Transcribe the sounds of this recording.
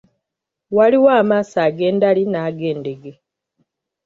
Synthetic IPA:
waliwaːmaːsaːɡe̞ːndalinaːɡe̞ːnde̞ɡe

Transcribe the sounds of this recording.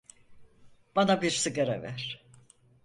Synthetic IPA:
b̥anabiɾsɯɡaɾɛ̰væ̰ɾ̥

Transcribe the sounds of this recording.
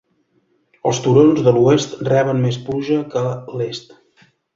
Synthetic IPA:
ə̰lˠst̪uɾonzðəluest̪rɛβ̞ənmespuʒəkəlest̪

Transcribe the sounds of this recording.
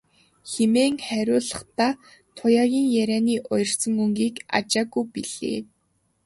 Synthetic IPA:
xemeːŋχæɾʲʊːɮə̥̆χt̪aː | t̪ʰʊjaːɣʲiːŋjæɾʲæːniːʔʊjɞ̆rsə̆ŋuŋɡiːka̰t͡ɕaːɣujpiɮ̥ḛː

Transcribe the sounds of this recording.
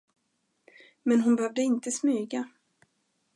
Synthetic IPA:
mɛnɦʊnbɛhœvd̪əɪnt̪əsmyːɡa

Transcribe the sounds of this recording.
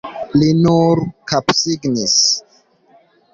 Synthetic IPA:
linuɾkapsiɡnis

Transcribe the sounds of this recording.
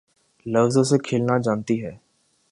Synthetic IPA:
lɐʋzõsekʰeːlnad͡ʒãːnt̪iɦɛː

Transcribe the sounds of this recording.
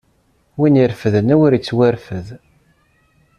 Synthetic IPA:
winiɾfəðənæwʊɾit͡sːwæɾfəð

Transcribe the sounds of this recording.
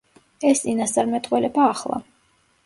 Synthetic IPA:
ɛst̪sʼinast̪sʼaɾmɛt̪ʼqʼwɛlɛbaːχlˠa̰

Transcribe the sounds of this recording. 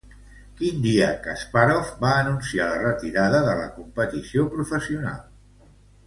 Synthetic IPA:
kind̪iəkəspaɾɔfbaənunsialərət̪iɾaðəðələkumpət̪isiopɾufəsiuna̰lˠ

